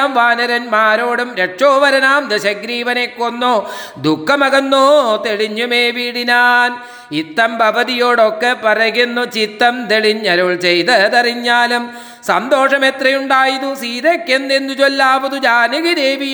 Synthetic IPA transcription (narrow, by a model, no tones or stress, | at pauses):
mʋaːnɐɾɐnmaːɾoːɽumɾeʈʂoːʋɐɾɐnaːmd̪eɕɐɡɾiːʋɐnekːonːoː | d̪ukːɐmɐɣɐnːoːt̪eɭiɲːumeːʋiɽinaːn | it̪ːɐmbʱɐʋɐðijoːɽokːepɐrɐjunːut͡ɕit̪ːɐmt̪eɭiɲːɐɾuɭt͡ɕejt̪ɐt̪ɐriɲːaːlɐm | sɐnd̪o̞ːʂɐmet̪rɐjuɳɖaːjiðusiːd̪ɐkːenːend̪ut͡ɕolːaːʋɐðud͡ʑaːniɣid̪eːʋi